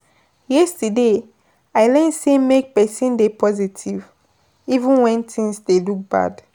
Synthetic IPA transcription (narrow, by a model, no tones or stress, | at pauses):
jɛstude | aɪlɛnsemek̚pɛsĩndepʰɔzitʰiv | ivũnwɛ̃ntʰĩŋsdeluk̚ba̰d